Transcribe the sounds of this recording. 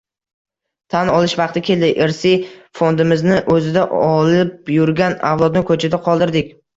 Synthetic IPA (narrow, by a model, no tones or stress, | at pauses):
t̪ʰanɒlˠɪʃvɑq̚t̪ɪkʲʰe̞ld̪ɪʔeɾsɪfo̞nd̪ɪmɪznɪʔɵzɪd̪aʔɒlɪp̚jʊɾɡʲanavlˠɒd̪nɪkʰɵt͡ʃʰad̪aqʰɒlˠd̪ɪɾd̪ɪkʲ